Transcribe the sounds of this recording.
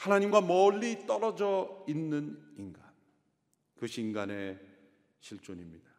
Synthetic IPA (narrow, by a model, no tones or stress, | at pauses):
hanaɲimɡwamʌɭːit͈ʌɾʌd͡ʑʌinːɯniŋɡan | kɯɕʰinɡane̞ | ɕʰiɭt͡ɕ͈oɲimɲida